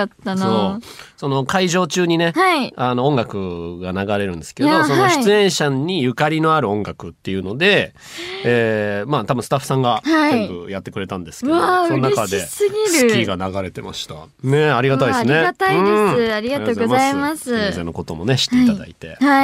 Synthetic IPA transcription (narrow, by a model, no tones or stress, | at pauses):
at̪ːanoso̞no̞kaiʑo̞ːt͡ɕɨːɲ̟ine̞haiano̞õ̞ŋɡakɯ̟ɡanaɡaɾe̞ɾɯ̟̃nd̪e̞sɨ̥ke̞o̞sonoɕi̥t͡sɨẽ̞ɰ̃ɕaɲ̟ːijɯ̟kaɾʲino̞aɾɯ̟õ̞ŋɡakɯ̟t̪ːe̞jɯ̟no̞d̪e̞ | eːmaːt̪abɯ̟̃sɨ̥t̪aɸɯ̥sãŋɡaaõbɯ̟̰jat̪ːe̞kɯ̟ɾe̞t̪ãnd̪e̞sɨ̥kesonnakad̪e̞sɨɡʲiɾkʲiɡanaɡaɾe̞t̪e̞ma̰ɕi̥t̪ane̞aɾʲiɡat̪aid̪eɨneat̪aiɯ̃eaɾʲiɡaoɡoaimasɨezẽno̞ko̞t̪o̞mo̞ne̞ɕi̥t̪eit̪ad̪a̰it̪e̞̰ha